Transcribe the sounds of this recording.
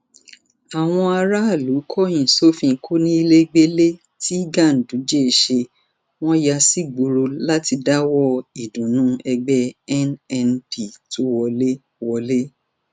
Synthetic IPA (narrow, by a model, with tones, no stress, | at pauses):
a˨w̃ɔ̃˧a˧ɾa˦a˦˨lu˨˦kʰɔ˦ĩ˨so˦fĩ˧˨kʰo˦nĩ˦i˧le˦ɡ͡be˦le˦ | ti˦ɡã˦˨n̩˨dũ˨˦d͡ʒe˦e˨ʃe˧ | w̃ɔ̃˦ja˧si˦ɡ͡bu˧ɾo˧la˦ti˧da˦wɔ˦i˨dũ˨nũ˦ɛ˧ɡ͡bɛ˦ɛ˦nɛ˧nbi˦˨to˦wɔ˧le˦ | wɔ˧le˦